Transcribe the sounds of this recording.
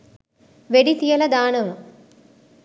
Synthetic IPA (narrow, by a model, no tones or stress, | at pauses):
ʋeɽit̪ijɐlɐd̪aːnɐʋɐ